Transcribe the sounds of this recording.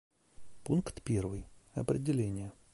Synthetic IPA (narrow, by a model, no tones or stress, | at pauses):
punkt̪pʲervɨjɐ̰pɾʲɪdʲɪlʲenʲɪjə